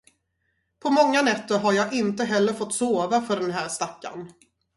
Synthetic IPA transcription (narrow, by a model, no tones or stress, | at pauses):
pʰɔmɔŋːanɛt̪ːəɾɦaɾjɑːʔɪnt̪əɦɛlːəɾfɔt̪ːsoːvafœɖɛnɦæːɾʂt̪akːa̰n